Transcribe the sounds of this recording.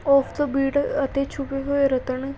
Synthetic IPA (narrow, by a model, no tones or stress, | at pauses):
ɔːfʰt̪obiːʈɐt̪et͡ʃʰupeɦoːeɾət̪əɳ